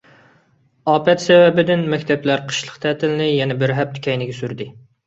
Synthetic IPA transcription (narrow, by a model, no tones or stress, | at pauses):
ɑːpɛt̪sɛvɛbɪd̪ɪnmɛkʲt̪ʰɛplæɾqʰə̥ʃlˠəqt̪ʰɛːt̪ʰɪlɪnɪjɛnɛbɪɾɦɛp̚t̪ʰɪ̥kʲʰɛjnɪɡʲɛsyɾd̪ɪ